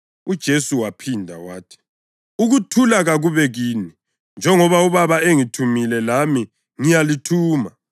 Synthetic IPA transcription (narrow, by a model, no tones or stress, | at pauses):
ud̥ʒ̥ʱesuwapʰindʱa̰wa̰ːtʰi̥ | uɣutʰulaɣaɣuβɛɣini | nd͡ʒʱɛŋɔβauβaβaeŋitʰumilɛlami | ŋijalitʰuːma